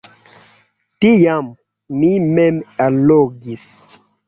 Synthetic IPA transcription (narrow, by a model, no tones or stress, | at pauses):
tijam | nimɛmaloɡis